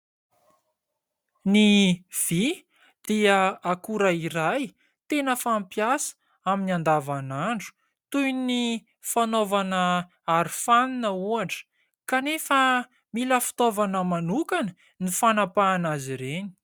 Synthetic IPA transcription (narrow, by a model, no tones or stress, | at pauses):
niv̥i | d̪̥iəakuɾaiɾaj | t̪enəfampjasə̥ | aminiand̪avanaɳɖ͡ʐu̥ | t̪ujni | fanovanə | aɾi̥faninəuaɳʈ͡ʂə̥ | kanefə | miləfi̥t̪ovanəmanukanə | nifanapaːnaziɾeni̥